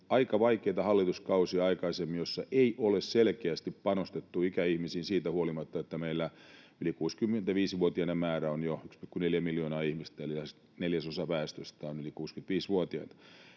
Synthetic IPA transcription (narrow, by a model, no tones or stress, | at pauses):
ɑikɑʋɑikeit̪ɑhɑlːit̪uskɑusiɑɑikɑisemːijosːɑʔeiʔolesselkeæst̪ippɑnost̪et̪ːuikæihmisiːnsiːt̪æhuolimɑt̪ːɑet̪ːæmeilːæ | ylikuːskymːent̪æʋiːsʋuot̪iɑnemmæːɾæonjoykspikːuneljæmiljoːnɑːihmist̪æliæs | neljæsosɑpæːst̪øst̪æonylikuːskyt̪ʋiːsʋuot̪iɑ̰t̪ɑ̥